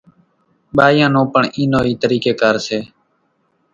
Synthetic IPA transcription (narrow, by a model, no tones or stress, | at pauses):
ɓaːjãːnõːpəɳʔiːnoːiːt̪əɾiːkeːkaːɾseː